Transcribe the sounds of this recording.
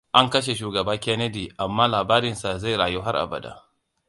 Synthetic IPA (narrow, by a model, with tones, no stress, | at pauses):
ʔa˦ŋkɐ˦ʃ̬e˨ʃuː˨ɡɐ˨baː˦kʲɛ˦nɐ˦diː˨ʔa˨mːaː˦laː˨baː˦ɾɪ˨nsa˨za˦˨jɽaː˨ju˦ɦa˦ʔa̰˨bɐ̰˨da̰˦